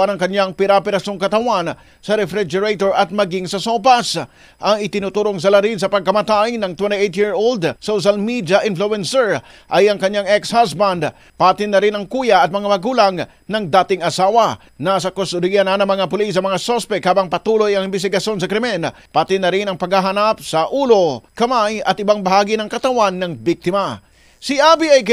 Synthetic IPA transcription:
anɐŋkɐɲaŋpɪɾapɛɾɐsoŋkɐt̪ɐwan | sɐɾɛfɾid͡ʒɛɾejt̪oɹɐt̪̚mɐɡiŋsɐsopas | ʔɐŋɪt̪ɪnut̪uːɾoŋs̬ɐlaɾins̬ɐpɐɡ̚kɐmat̪aɪŋnɐŋt̪wɛnt̪iejt̪jiɹʔold̪sowʃ̬almid̪jɐʔɪnfluɛnsɛɹ | ʔɐjɐŋkɐɲaŋɛkshas̬band̪ | pat̪ɪnːɐɾɪnɐŋkujɐɐt̪̚mɐŋamɐɡuːlaŋ | nɐŋd̪aːt̪ɪŋɐsaːwɐ | nas̬ɐkost̪ʊd̪ijɐnanɐŋmɐŋapʊlis̬ɐŋmɐŋasospɛkhaːbɐŋpɐt̪ulojɐŋɪnbɪs̬t̪ɪɡɐʃo̞ns̬ɐkɾɪmɛn | pat̪ɪnːɐɾɪnɐŋpɐɡhaɦanap̚sɐʔuːlokɐmajɐt̪ɪbaŋbɐɦaːɡinɐŋkɐt̪ɐwanːɐŋbik̚t̪ɪmɐ | sɪʔabiɐjk

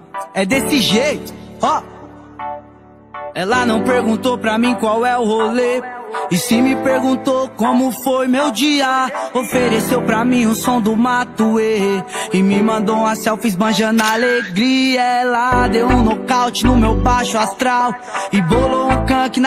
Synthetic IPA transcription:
ɛd̪esɪʒejt̪ʊ̥ɔ | ɛlanɐ̃w̃peɾɡũnt̪opɾɐmĩkwawɛʊholeɪsɪmɪpeɾɡũt̪okõmʊfojmewd͡ʒiɐofeɾesewpɾɐmĩũsõd̪ʊmat̪ueɪmɪmɐ̃nd̪oũasɛwfizbɐ̃ʒɐ̃d̪aleɡɾiɐlad̪ewũnokawt͡ʃɪnʊmewbaʃʊast̪ɾaw | ɪboloũkɐ̃kɪn

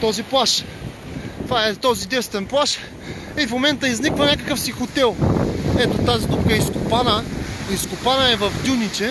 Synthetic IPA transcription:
t̪ɔziplˠaʃ | t̪vaɛt̪ɔzid̪ɛst̪vɛnplˠaʃ | ifmomɛnt̪əiznikvənʲakəkəfsixot̪ɛlˠɛt̪ot̪aziɡ̪upkəɛiskʊpanəiskʊpanəɛvəfd̪ʲunit͡ʃɛ

